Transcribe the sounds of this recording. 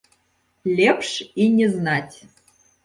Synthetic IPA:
lʲepʂinʲeznatʲ

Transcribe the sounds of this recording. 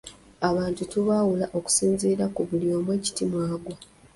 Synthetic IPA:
aβaːntutuβaːwulaʔo̞ku̥siːnziːɾakuβulio̞ːmwe̞ːci̥timwaːɡwa

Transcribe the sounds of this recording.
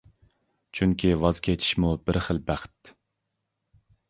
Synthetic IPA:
t͡ʃʰyŋkʲʰivɑz̥kʲʰet͡ʃʰi̥ʃmubɪɾχəlˠbæχt̪

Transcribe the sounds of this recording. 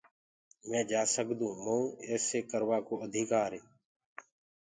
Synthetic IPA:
mɛ̃ːd͡ʒaːsəkd̪ũːmõːɛːseːkəɾʋaːkoːəd̪ʱiːkaːɾeː

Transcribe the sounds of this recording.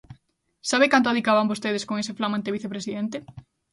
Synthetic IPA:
saβekant̪ʊaðikaβambost̪eð̞eskoŋeseflamãnt̪eβiθepɾesiðent̪e

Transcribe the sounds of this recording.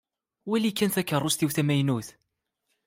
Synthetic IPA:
wælikːænθækːərˤːʊst̪iwθæmæjnuθ

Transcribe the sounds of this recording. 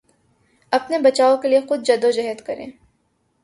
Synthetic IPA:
ɐpnebɐt͡ʃaːokeliexʊd̪̚d͡ʒɐd̪od͡ʒɐɦət̪kɐɾḛ̃ː

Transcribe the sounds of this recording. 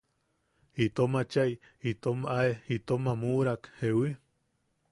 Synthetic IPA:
it̪omat͡ʃaj | it̪omaeit̪omamuɾakhewi

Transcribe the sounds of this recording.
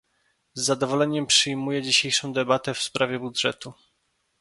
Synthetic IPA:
zːad̪ɔvɔlɛɲɛmpʂɘjmujɛd͡ʑiɕejʂɔ̃w̃d̪ɛbat̪ɛfspɾavʲjɛbud̪ʐɛ̰t̪u

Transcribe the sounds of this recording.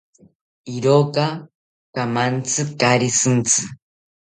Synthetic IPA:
iɾoka | kamant͡sʰɨkaɾisɨnt͡sʰɨ

